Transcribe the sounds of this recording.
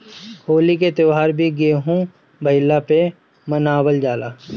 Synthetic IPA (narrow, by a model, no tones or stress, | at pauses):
hoːlik̬et̪ɪʋaːɾbʱiɡeːɦũ | bʱɐɪlːape | mənaːwəld͡ʒaːlaː